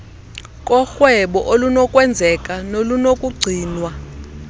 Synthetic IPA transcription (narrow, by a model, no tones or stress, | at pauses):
kʼɔxwɛɓɔʔolunɔkʼwɛnd͡zʱɛkʼanolunokʼuɡ͡ǀʱiːnwa